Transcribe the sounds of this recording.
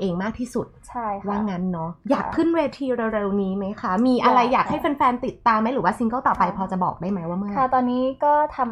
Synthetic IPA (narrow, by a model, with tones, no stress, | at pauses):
ʔeː˧ŋmaː˥˩k̚t̪ʰiː˥˩su˨˩t̪̚t͡ɕʰa˥˩jwaː˥˩ŋa˦˥nːɔ˦˥jaː˨˩k̚pʰɯ˥˩nweː˧t̪ʰiː˧ɾa˧ɾe˧wniː˦˥ma˦˥jkʰa˦˥miː˧ʔa˧ɾa˧jːaː˨˩k̚ha˥˩jfa˧nfɛː˧nt̪i˨˩t̪ːaː˧mːa˦˥jɾɯː˩˦waː˥˩si˧˦ŋkɔː˥˩t̪ɔː˨˩pːa˧jpʰɔː˧t͡ɕa˨˩bɔ̰ː˨˩k̚daː˥˩jma˦˥jwaː˥˩mɯ˥˩a˦˥˩t̪ɔː˧nːiː˦˥kɔː˥˩t̪ʰa˧m